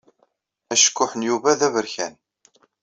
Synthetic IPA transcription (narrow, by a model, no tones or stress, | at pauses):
æʃə̥kːʊħənjuvæðævəɾçæ̰n